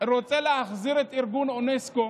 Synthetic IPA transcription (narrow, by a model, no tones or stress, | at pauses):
ɾot͡seleaχziɾet̪iɾɡunonesko